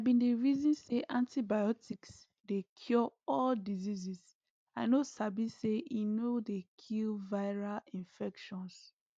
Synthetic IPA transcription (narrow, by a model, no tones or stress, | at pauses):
aabĩndeɹizɔ̃nseʔãntibajɔtʰiks | dekʰjɔɔldizizis | aɪnosabiseʔinodekʰilvaɪɹalĩnfɛkʃɔ̃ns